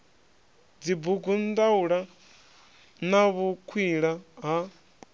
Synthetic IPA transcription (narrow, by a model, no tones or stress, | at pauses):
d͡zibuɡund̪auɺa | naβukʰwiɺaɦa